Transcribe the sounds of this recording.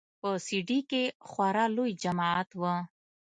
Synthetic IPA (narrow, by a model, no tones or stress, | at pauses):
pəsiɖikexwaɾalojd͡ʒamaat̪wə̃